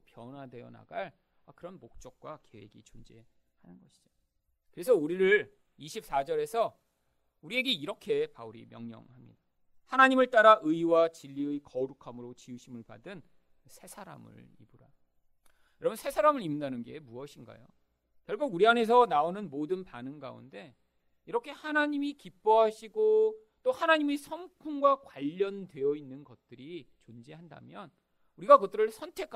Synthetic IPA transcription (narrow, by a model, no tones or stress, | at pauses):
pjʌnade̞jʌna̰ɡaɭ | akɯɾʌnmok̚t͡ɕ͈ʌk̚k͈wake̞we̞ɡit͡ɕond͡ʑe̞ | hanɯnɡʌɕʰi̥d͡ʑo̥ | kɯɾe̞sʰʌuɾiɾɯɭ | iɕʰip̚s͈ad͡ʑʌɾe̞sʰʌ | uɾie̞ɡe̞iɾʌkʰe̞pauɾimjʌŋɲʌ̰ŋhamɲḭda | hanaɲimɯɭt͈aɾaʔɯiwat͡ɕiʎːiɯjkʌɾukʰamɯɾot͡ɕiuɕʰimɯɭpa̰dɯn | sʰe̞sʰaɾa̰mɯ̰ɭ | ḭbuɾa | jʌɾʌbʌnsʰe̞sʰaɾamɯɭimndanɯnɡe̞muʌɕʰinɡa̰jo̰ | kjʌɭɡuɡuɾiane̞s̬ʰʌnaonɯnmodɯnpanɯnɡa̰ṵnde̞ | iɾʌkʰe̞hanaɲimikip͈oɦaɕʰiɡo | t͈ohanaɲimisʰʌmkʰuŋɡwakwaʎːʌndwe̞jʌinːɯnɡʌt̚t͈ɯɾit͡ɕond͡ʑeɦanda̰mjʌn | uɾiɡakɯt͈ɯɾɯɭsʰʌntʰe̞kʰ